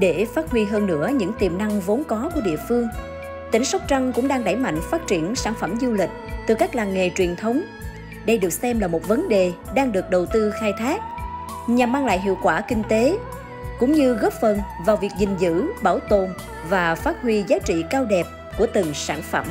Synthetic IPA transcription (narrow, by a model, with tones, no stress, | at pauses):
ɗe˧˩faː˦˥t̚hwi˧ɦəː˧nːɨ̰˧˥əɲɨ̰˧˥ŋt̪i˨˩əmna˧ŋvo˨˦nkɔ˨˦ku˧˩əɗḭ˧˨əfɨ˧əŋ | t̪ï˧˩ŋ̟sa˦˥wk͡p̚t͡ɕa˧ŋkʊ̰˧˥ŋ͡mɗaː˧ŋɗa˧˩jma̰˧˨jŋ̟faː˦˥t̚t͡ɕi˧˩ənsaː˧˩nfə˧˩mzu˧lï˨˩k̟̚t̪ɨ˨˩kaː˦˥k̚laː˨˩nŋe˨t͡ɕwi˨˩ənt̪ʰə˨˦wŋ͡m | ɗə˧jɗɨ˨˩ək̚sɛ˧mlaː˨˩mo˨˩t̚və˨˦nɗe˨˩ɗaː˧ŋɗɨ˨˩ək̚ɗə˨˩wt̪ɨ˧xaː˧jt̪ʰaː˦˥k̚ | ɲa˨˩mːaː˧ŋla̰ː˧˨jɦḭ˧˨əwkwaː˧˩kï˧ŋ̟t̪e˨˦ | kʊ̰˧˥ŋ͡mɲɨ˧ɣp̚fə˨˩nvaː˨˩wvi˨˩ək̚zï˨˩ŋ̟zɨ̰˧˥ɓaː˧˩wt̪o˨˩n | vaː˨˩faː˦˥t̚hwi˧zaː˨˦t͡ɕḭ˧˨kaː˧wɗɛ˨˩p̚ | ku˧˩ət̪ɨ˨˩ŋsaː˧˩nfə̰˧˩m